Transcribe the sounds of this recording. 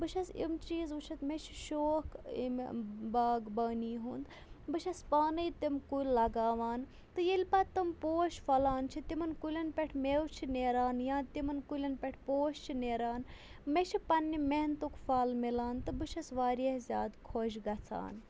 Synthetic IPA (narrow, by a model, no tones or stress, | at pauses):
bɨʃʰɐsḭmt͡ʃiːzut͡ʃʰɐt̪met͡ʃʰi̥ʃoːkḭmbaːɡbɐːniːɦund̪ | bɨʃʰɐspaːnɐjt̪imkujllːɐɡaːʋaːn | t̪ɨjelʲpat̪ɨmpoːʃfɐlaːnt͡ʃʰit̪imɐnkulʲɐnpʲeʈʰmeːwt͡ʃʰineːɾaːnjãːt̪imɐnkulʲɐnpʲeʈʰpoːʃt͡ʃʰineːɾaːn | met͡ʃʰipɐnːimeɦnt̪ukfaːlmilaːnt̪ɨbɨʃʰɐsʋaːɾiezʲa̰ːd̪kʰoʃɡɐt͡sʰa̰ːn